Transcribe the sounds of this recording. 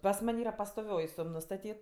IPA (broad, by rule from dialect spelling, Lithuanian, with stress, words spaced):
pɐs ˈmɐnʲ ˈiːrɐ pɐstoːˈʋʲoːj ˈsʊm nʊstɐˈtʲiːt